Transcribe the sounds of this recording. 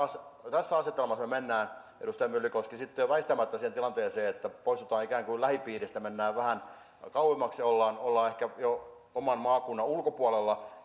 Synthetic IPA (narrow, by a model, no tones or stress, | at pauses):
ɑst̪æsːæɑset̪ːelmɑsmemenːæːn | ḛɾust̪ɑjɑmylːykoskisit̪ːoʋæist̪æmæt̪ːæsiːhent̪ilɑnt̪eːseːet̪ːæpoist̪ut̪ɑːikæːŋkulæhipiːrist̪æmenːæːʋʋæhæn | kɑuhemːɑksolːɑːnolːɑːehkæjo | omɑnmɑːkunːɑulkopuɑlelːɑ